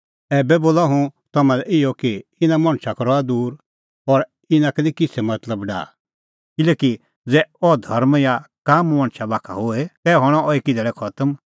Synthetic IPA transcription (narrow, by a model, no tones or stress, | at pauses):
ɛːbɛboːlaɦũt̪ɐmãlɛʔɪjɔkiɪnãmɐ̃ɽ̃t͡ʃʰakɔɾɔad̪uːɾ | ɔɾ | ɪnãkɛnĩkɪsɛmɐt̪ləbɖa̰ː | kɪleːki | d͡zɛɔd̪ʱɐɾmja | kaːmmɐ̃ɽ̃t͡ʃʰabaːkʰa̰ɦoet̪ɛːɦɔɽ̃ɔɔeːkid̪ɛɭɛkʰɐt̪əm